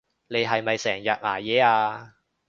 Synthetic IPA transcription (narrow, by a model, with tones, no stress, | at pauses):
le˨˧jɦɐ˨jmɐ˨jsɛː˨˩ŋjɐ˨t̚ma̰ː˨˩jɛː˨˧aː˧